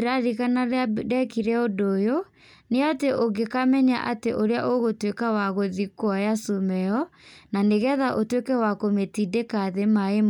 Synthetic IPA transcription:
ɾaɾiɣanaɾeadɛkiɾɛodojo | neateʔoɡekamɛɲa̰ʔateʔoɾeaʔoɣotwekawaɣoðikwɔjasumɛɔnaneɣɛðaʔotwekɛwakometidekaðemaem

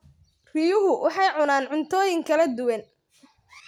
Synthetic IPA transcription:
rɪjʊɦʊwʔɑħɑjʕʊnaːnʕʊnt̪ʰɔːjɪŋkʰɐlɐd̪ʊwɐn

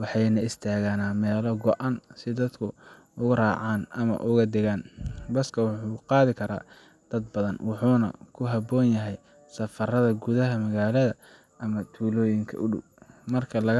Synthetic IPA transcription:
wɑħɑjnɐɪst̪ʰaːɣaːnaːmɛːlɔɡɔʔɑnsɪd̪ɐd̪kʰʊ | ʊɣʊraːʕɑːnʔɐmɐ̰ʔʊɣɐd̪ɪɣaːnbɐskʰɐwɑħuːqɑːðɪkʰɐɾa̰ː | d̪̥ɐd̪̚bɐðɐnwɑħuːnɐ̰kʰʊɦɐbɔːnjɐɦɛj | sɐfɐrɐðɐɡʊðɐɦɐmɐɣaːlɐðɐ | ʔɐmɐt̪ʰuːlɔːjɪŋkʰɐ̰ʔʊɖʊ̰w̚ | mɐrkʰɐlɐɣ

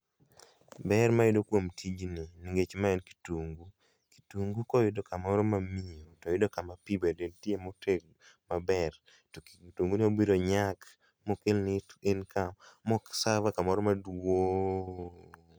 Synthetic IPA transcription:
bɛɾmaɪdokwomtʰid͡ʒnɪniŋɡet͡ʃmaɛnki̥tuŋɡu | ki̥tuŋɡukɔjɪdokamɔɾɔmamiotɔɪdokamapibedetjemoteɡ̚ | mabɛr | tuŋɡunɪobiɾoɲak | mokelnɪtenkʰammɔksavakamɔɾɔmadwo

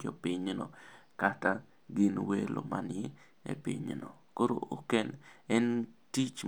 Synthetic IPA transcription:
d͡ʒɔpɪɲno̰kata | ɡɪnwelʔo̰manɛ | ḛpḭɲnokoɾookenɛntit͡ʃ

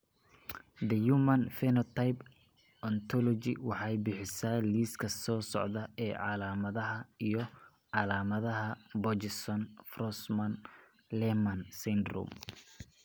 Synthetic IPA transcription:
d̪ɐjuːmɐnfɛnɔt̪ʰajp | ɔnt̪ʰɔlɔt͡ʃɪ̰wɑħɑjbɪħɪsaːliːskʰɐsɔːsɔ̰ʕðɐɛːʕɑlaːmɐðɐɦɐijɞ | ʕɑlaːmɐðɐɦɐbɔd͡ʒɪsɔnfrɔsmɐn | lɛmɐnsɛnd̪rṵm

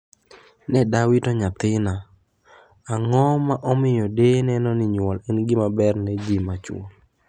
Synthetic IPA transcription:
nɛdawɪtɔɲat̪ɪna | ŋɔmaʔɔmɪjɔdenɛnɔnɪɲwɔlɛnɡɪmabɛrned͡ʒimat͡ʃwol

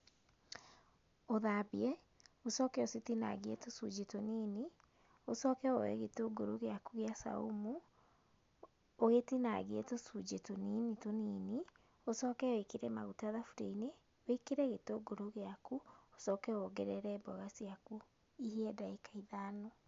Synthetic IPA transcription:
oðabiɛ | osɔːkɛositina̰ɣeetosud͡ʒetonini | osɔːkɛɔwɛ̰ɣetoɡoɾoɣeakuɣeasa̰ṵmu | oɣetina̰ɣeetosud͡ʒetoninitonini | osɔːkɛwekeɾɛmaɣutaðafuɾḛine | wekeɾɛɣetoɡoɾoɣeakuosɔkɛɔɡɛɾɛɾɛbɔɣasiaku | ihiɛdaekaiðano

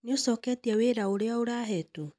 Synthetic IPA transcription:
neosɔːkɛtiaweɾaoɾeaoɾaːɦɛto

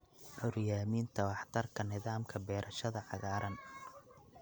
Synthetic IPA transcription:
ʔɔɾjaːmiːnt̪ʰɐwɑħt̪ʰɐrkʰɐnɪðaːmkʰɐbɛːɾʔɐʃɐðɐʕɑɣaːɾʔɐn

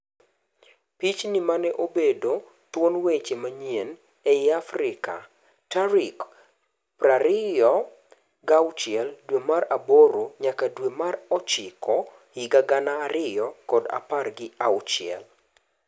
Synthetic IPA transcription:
pit͡ʃnimanɛʔobedo | twonwet͡ʃemaɲien | ɛjafrɪka̰ | taɾɪk | praɾɪjɔ | ɡawt͡ʃɪɛldwemaraboɾoɲakadwemarɔt͡ʃɪkʰɔ | hɪɡaɡanaːɾɪjɔkɔda̰parɡɪawt͡ʃɪɛ̰l

